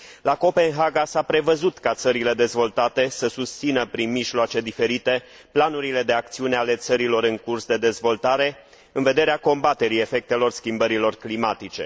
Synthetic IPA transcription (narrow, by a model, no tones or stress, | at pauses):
lako̞pe̞nɦaɡasapɾe̞vəzut̪kat̪səɾile̞d̪e̞zvo̞lt̪at̪e̞səsust̪sinəpɾinmiʒloat͡ʃe̞d̪ife̞ɾit̪e̞ | planuɾile̞d̪e̞ak̚t̪siuneale̞t̪səɾilo̞ɾɨŋkursd̪e̞d̪e̞zvo̞lt̪aɾe̞ | ɨnve̞d̪e̞ɾeako̞mbat̪e̞ɾie̞fe̞k̚t̪elo̞rskʲimbəɾilo̞rklimat̪it͡ʃe̞̰